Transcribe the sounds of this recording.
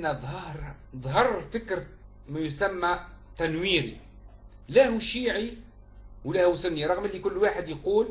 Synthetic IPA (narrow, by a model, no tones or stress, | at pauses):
næðˤhɑɾˤ | ðˤɦɑrˤfɪkɾ | mæjʊsæmːæt̪ænwiːɾḭ | læhuʃiːʕi | wlæhusʊnːiɾˤɑɣməlikʊlːwaːħəd̪jquːl